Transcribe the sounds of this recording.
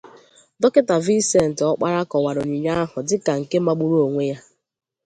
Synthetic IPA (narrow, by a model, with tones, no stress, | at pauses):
dɔ˦kɪ˦ta˨vi˦se˦˨n̩˨tɔ˦k͡pa˦ɾa˦kɔ˨wa˨ɾo˨ɲi˨ɲa˦a˦ɦʊ˨dɪ˦ka˨ŋ̩˨ke˦ma˦ɡ͡bu˦ɾu˦o˨ŋʷe˦ja˦